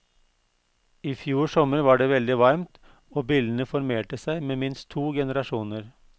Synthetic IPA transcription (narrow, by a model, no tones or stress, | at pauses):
iːfjuːsɔməɾʋɑːɖeːʋɛld̪ɪʋɑɾmt̪ | oːbiːld̪ən̩əfɔɾmeːʈəsæɪmeːmɪnst̪ʰːuːɡɛnəɾɑʂuːnəɾ